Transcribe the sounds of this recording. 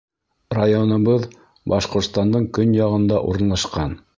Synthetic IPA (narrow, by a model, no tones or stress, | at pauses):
rajonɤ̆βɤð | bɑʃqŏɾt̪st̪ɑnd̪ɤɴkɵnjɑʁɤ̆nd̪ɑʔṵɾɤ̆nlˠɑʃqɑn